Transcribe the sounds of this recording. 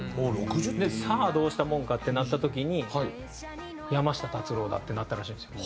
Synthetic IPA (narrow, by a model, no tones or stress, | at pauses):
moɾokɯd̪esaːd̪o̞ːɕi̥t̪amõ̞ŋkat̪ːe̞nat̪ːat̪o̞kʲiɲ̟ihai | jamaɕi̥t̪at̪at͡sɨɾo̞ːd̪a̰t̪ːe̞nat̪ːaɾaɕĩnesio